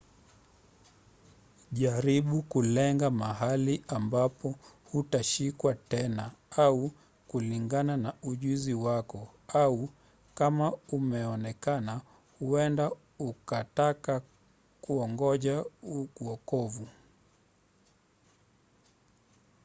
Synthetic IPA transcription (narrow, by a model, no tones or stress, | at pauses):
ʄaɾiɓukulɛŋɡamaɦaliambapɔhutaʃikwatɛnaau | kuliŋɡananauʄuziwakɔ | au | kamaumɛɔnɛkana | huɛnda | ukataka | kuɔŋɡɔʄaukuɔkɔvu